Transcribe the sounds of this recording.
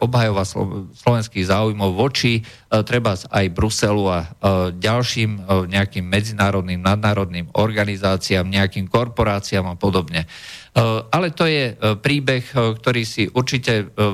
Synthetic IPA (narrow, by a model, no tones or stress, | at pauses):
ɔbɦajɔʋasslɔʋɛnskiːɣzaːujmɔʊʋɔt͡ʃi | t̪ɾɛbazajbɾusɛluaɟalʃiːmɲɛakiːmːɛd͡zinaːɾɔd̪niːmnad̪̚naːɾɔd̪niːmɔɾɡanizaːt͡siaːmɲɛakiːmkɔɾpɔɾaːt͡siaːmapɔd̪ɔbɲɛ | ʔalɛt̪ɔjɛpɾiːbɛxkt̪ɔɾiːsiʔuɾt͡ʃicɛ